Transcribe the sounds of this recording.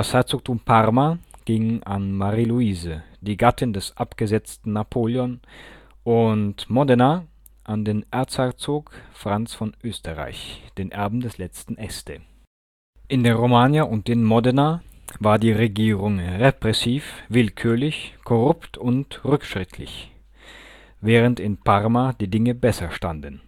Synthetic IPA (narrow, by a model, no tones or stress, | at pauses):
dɐshaɪt͡soːk̚tʰuːmpʰaʁmaɡ̥ɪŋanmaʁiluiːzəd̥iːɡatʰɪndɛsʔapɡ̥əzɛt͡stn̩napʰoːljɔnʔʊntmɔdɛna | ʔandeːnʔɛɐt͡shat͡soːkfʁ̥ant͡sfɔnʔøːstəʁa̰ɪçd̥eːnʔɛɐbm̩dɛslɛt͡stn̩ʔɛstə̰ | ʔɪndeːnʁomaːnjaʔʊnt̚d̥eːnmɔdɛnavaːɐdiːʁeɡiːʁʊŋʁepʁ̥ɛsiːfvɪlkʰyːɐlɪçkʰɔʁʊptʰʊntʁʏkʃʁ̥ɪtʰlɪ̰ç | vɛːʁ̞əntɪnpʰaʁmad̥iːdɪŋəbɛsɐʃtandən̩